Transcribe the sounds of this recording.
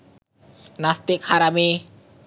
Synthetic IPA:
nast̪ekʰaɾame

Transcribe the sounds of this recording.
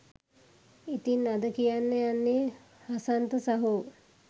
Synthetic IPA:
it̪inːad̪əkijanːejanːe | hasant̪əsaɦu

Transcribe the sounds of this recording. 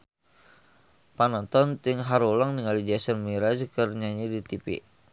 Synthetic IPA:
panɔnt̪ɔnt̪iŋɦaɾulaŋniŋalid͡ʒasənmiɾad͡ʒkərɲaɲidit̪ipḭ

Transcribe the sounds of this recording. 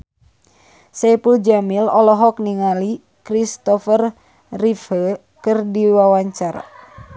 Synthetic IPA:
sɛpuld͡ʒamilɔlɔɦɔk̚niŋali | kɾist̪ɔfər | rifhə | kɨrdiwawaɲt͡ʃar

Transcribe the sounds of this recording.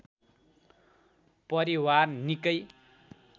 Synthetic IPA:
pʌɾiwarnikʌj

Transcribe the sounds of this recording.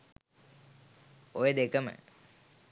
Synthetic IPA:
ojəd̪ekəmə̰

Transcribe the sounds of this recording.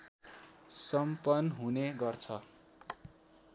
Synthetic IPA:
sʌmpʌnɦuneɡʌrt͡sʰʌ

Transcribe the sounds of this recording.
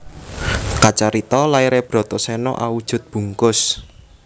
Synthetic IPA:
kat͡ʃaɾit̪ɔlaiɾeb̥ɾɔ̤t̪ɔsɛnɔ̰ʔawud̥ʒ̥ʊ̤t̪̚b̥ṳŋkʊs

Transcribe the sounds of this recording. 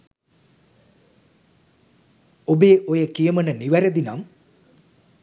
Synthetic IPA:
obeːʔojəkijəmənəniʋæɾed̪inam

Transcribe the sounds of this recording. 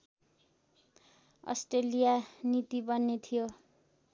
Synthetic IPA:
ʌ̰sʈrelijanit̪ibʌnːet̪ʰijo

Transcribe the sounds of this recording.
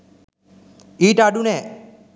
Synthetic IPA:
iʈaɖunɛ

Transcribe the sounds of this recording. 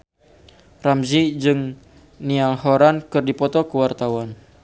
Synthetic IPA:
ramzid͡ʒɨŋ | nialhɔɾankɨrdipɔt̪ɔkəwart̪awan

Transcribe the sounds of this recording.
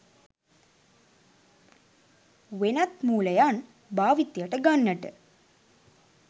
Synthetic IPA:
ʋenɐt̪muːləjan | baːʋit̪ːjəʈəɡanːəʈə̰

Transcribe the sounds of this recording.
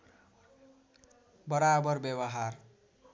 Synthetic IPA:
bʌɾabʌrbjʌbʌɦar

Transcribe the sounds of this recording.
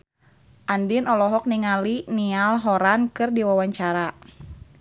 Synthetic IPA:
ʔandinɔlɔɦɔk̚niŋalinialɦɔɾankɨrdiwawaɲt͡ʃaɾa

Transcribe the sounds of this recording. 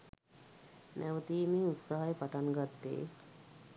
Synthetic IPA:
nʔæʋət̪iːmiːut̪saɦajəpaʈaŋɡat̪ːḛː

